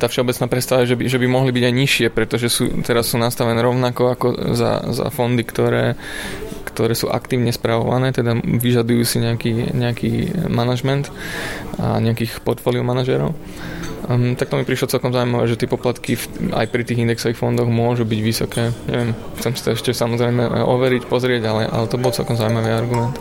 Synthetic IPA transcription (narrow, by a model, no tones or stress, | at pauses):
t̪aːfʃɛɔbɛt͡snaːpɾɛtst̪aʋajɛʒɛbiʒɛbimɔɦlibiɟajɲiʃɪɛpɾɛt̪ɔʒɛsṵːt̪ɛɾasːuːnast̪aʋɛnɛːɾɔʊnakɔakɔ̰za̰za̰fɔnd̪ikt̪ɔɾɛː | kt̪ɔɾɛːsṵːʔa̰kt̪iːʊɲɛspɾaʋɔ̰ʋa̰nɛːt̪ɛd̪aʋiʒad̪ujuːsiɲɛakiːɲɛakiːmanaʒmɛnt̪ | a̰ɲɛakiːxpɔɾt̪fɔːliɔmanaʒɛɾɔ̰ʊ | t̪ak̚t̪ɔmipɾiʃlɔt͡sɛlkɔmzaʊuimaʋɛːʒɛt̪ɪɛpɔplat̪kifa̰jpɾit̪iːɣind̪ɛksɔʋixfɔnd̪ɔɣmʊɔʒubiɟʋisɔkɛːɲɛ̰ʋɛmxt͡sɛmsi̥t̪ɛɛʃcɛsamɔzɾɛjmɛʔɔʋɛɾicpɔzɾɪɛɟalɛʔa̰lɛt̪ɔbɔlt͡sɛlkɔmzaʊuimaʋiaɾɡumɛnt̪